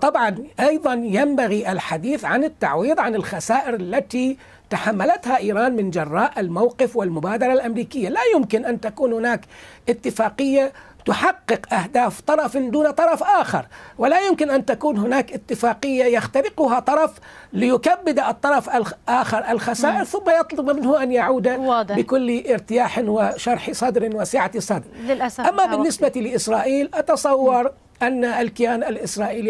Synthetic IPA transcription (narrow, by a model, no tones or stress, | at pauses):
t̪ˤɑbʕɑnʔɑjðˤɑnjambaɣiʔɪlħad̪iːθʕanɪt̪ːaʕwiːðˤʕanɪlxasaːʔɪɾɪlːat̪i | t̪aħamːalat̪haʔiːɾˤɑːnmɪnd͡ʒɑrˤːɑːʔɪlmawqɪfwɪlmʊbaːd̪ɑɾˤɑlʔamɾiːkɪjːalaːjʊmkɪnʔant̪akuːnhʊnaːkʔɪt̪ːɪfaːqɪjːa | t̪ʊħɑqːɨqʔahd̪aːft̪ˤɑɾˤɑfd̪uːnt̪ˤɑɾˤɑfʔaːxɑ̰ɾˤwɪlajʊmkɪnʔant̪akuːnɦʊnaːkʔɪt̪ːɪfaːqɪjːajaxt̪aɾɪqʊɦat̪ˤɑɾˤɑf | lɪjʊkabːɪd̪aɨt̪ˤːɑɾˤɑfalʔaːxɑɾˤʔalxasaːʔɪɾθʊmːajɑt̪ˤlʊbmɪnhʊʔanjaʕuːd̪abɪkʊlːʔɪɾt̪ɪjaːħwaʃɑɾˤħsˤɑd̪ɾɪwasɪːʕat̪sˤɑd̪ɾʔaʔamːabɪnːɪsbat̪ilɪʔɪsɾˤaːʔiːlʔɑt̪ɑsˤɑwːɑɾˤ | ʔanːaalkɪjaːnalʔɪsɾˤɑːʔiːli